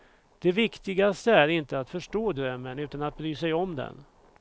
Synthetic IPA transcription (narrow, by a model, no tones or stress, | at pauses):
d̪̥ɛvɪkt̪ɪɡast̪əæɾɪnt̪əat̪fœʂʈoːd̪ɾœmːənʉ̟ːt̪anat̪̚bɾyːsɛjɔmd̪ɛ̰n